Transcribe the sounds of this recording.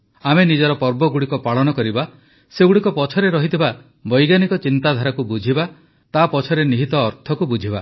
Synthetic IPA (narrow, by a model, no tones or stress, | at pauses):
amenid͡ʒɔɾɔpɔɾbɔɡuɽikɔpaɭɔñɔkɔɾiba | seɡuɽikɔpɔt͡ʃʰɔɾeɾɔɦit̪ʰiba | bɔjɡanikɔt͡ʃint̪ad̪ʱaɾakubud͡ʒʱiba | t̪apɔt͡ʃʰɔɾeniɦit̪ɔːɾt̪ʰɔkubud͡ʒʱiba